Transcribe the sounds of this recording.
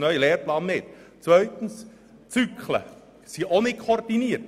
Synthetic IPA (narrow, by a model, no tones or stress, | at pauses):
nœʏəleːɾplɑːnːɪt̪t͡sʋœʏt̪n̩s | t͡sykʰlə̰ | siʔonɪkʰord̥̪iniːəɾt